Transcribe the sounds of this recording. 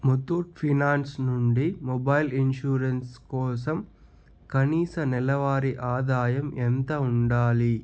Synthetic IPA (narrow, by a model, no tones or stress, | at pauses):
mut̪uːʈpʰinaːnsnuɳɖimɔbɐjlinʃuːɾɐnskɔːsɐm | kɐniːsɐnɛlɐʋaːɾiʔaːd̪aːjɐment̪ɐuɳɖaːli